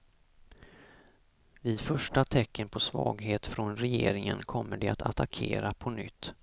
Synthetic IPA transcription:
vɪd̪fœʂʈat̪ʰɛkːənpʰɔsvɑːɡɦeːt̪fɾɔnɾɛjeːɾɪŋənkʰɔmːəɖɛat̪ʰa̰t̪ʰakʰeːɾapʰɔnʏt̪ː

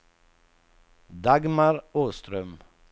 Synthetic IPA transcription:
d̪ɑɡmɑɾoːst̪ɾœm

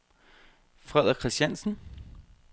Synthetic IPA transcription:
fʁɛð̰ˠɐkʰʁisd̥ænsn̩

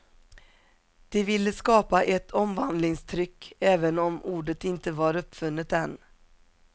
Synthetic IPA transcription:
d̪̥ɛvɪlːəskɑːpaʔɛt̪ʰɔmvand̪lɪŋst̪ʰɾʏkːɛːvənɔmuːɖət̪ɪnt̪əvaɾɵpːfɵnːət̪ɛn

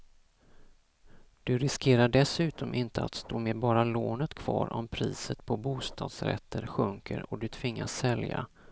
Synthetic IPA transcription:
d̪̥ɵɾɪskʰeːɾaɖɛsʉ̟ːt̪ɔmʔɪnt̪əat̪st̪oːmeːbɑːɾaloːnət̪kʰv̥ɑ̰ːɾʔɔmpʰɾiːsət̪pʰɔbuːst̪ʰɑ̰ːd̪sɾɛ̰t̪ʰːəɾɧɵŋkə̰ɾɔd̪ɵt̪ʰvɪŋːasːɛlja̰

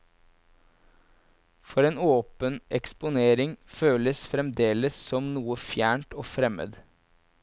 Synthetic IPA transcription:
fɔɾeːnoːpənʔɛkspʊneːɾɪŋføːləsfɾɛmd̪eːləssɔmnuːəfjæːɳʈoːfɾɛmə̰d̪

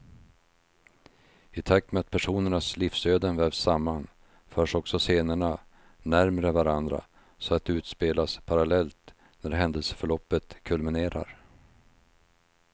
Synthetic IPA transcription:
ɪt̪ʰak̚t̪mɛat̪̚pʰæʂuːnəɳaslifsøːd̪ənvɛɾvsamːan | fœːʂɔksɔseːnəɳa | næɾmɾəvaɾand̪ɾa̰ | sɔat̪̚ɛʉːt̪speːlaspʰaɾalɛlt̪ | næɾɦɛnd̪əlsə̥fœɭɔpːət̪kʰɵlmɪneːɾa̰ɾ

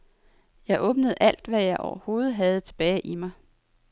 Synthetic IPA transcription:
jɑ̈ɪʔɔ̽ːb̥nəð̩ˠæl̰d̥ʋæjɑ̈ɪʔɒʊɐho̝ːð̞̩ˠɦæð̞̩ˠt͡sʰe̝b̥ɛːɪʔimɑ̈ɪ

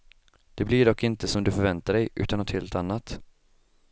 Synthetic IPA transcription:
d̪̥ɛblɪɖɔkːɪnt̪əsɔmd̪ɵfœɾvɛnt̪aɖɛjʔʉ̟ːt̪anːɔt̪heːlt̪anːat̪

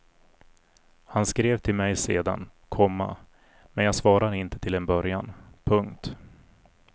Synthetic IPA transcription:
hanskɾeːvt̪ʰɪlmɛjseːd̪a̰nkʰɔmːa̰ | mɛnjaːɡsvɑːɾad̪əɪnt̪ət̪ʰɪlɛnbœɾjanpʰɵŋkt̪

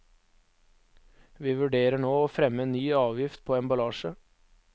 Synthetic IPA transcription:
ʋiːʋʉɖeːɾəɳoːoːfɾɛməenyːɑːʋjɪft̪̚pʰoːeːnbɑlɑːʃə

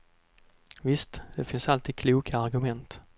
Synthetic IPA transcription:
vɪst̪d̪̥ɛfɪnsalt̪iːd̪̚kʰluːkʰaːɾɡɵmɛnt̪

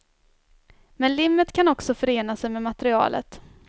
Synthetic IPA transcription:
mɛnlɪmːət̪kʰanɔksɔfœɾeːnasɛjmɛmat̪ɾɪɑ̰ːlʔə̰t̪

